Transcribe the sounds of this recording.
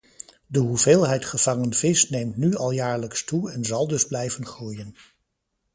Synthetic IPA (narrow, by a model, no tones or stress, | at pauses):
dəɦuveːlˠɦɛjtχəv̥ɑŋənv̥ɪsnejmtnyɑlˠjaːɹləkstuɛnzɑlˠdɵzblɛjvənχuːjən